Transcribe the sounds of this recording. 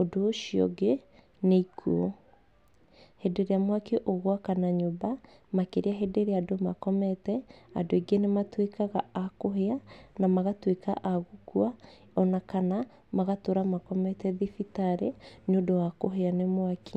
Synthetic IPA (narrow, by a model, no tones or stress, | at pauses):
odoːʃiɔ̰ɡe | neikʰuo | hedeɾeamwakeʔoɣwakanaɲoba | makeɾeaɦedeɾeadomakɔmɛtɛa̰doeɡenematwekaɣaːkoɦeanamaɣatweka̰ʔaɣukwa | ɔnakana | maɣatoɾamakɔmɛtɛðifitaɾeneodowakoɦeanemwakʰi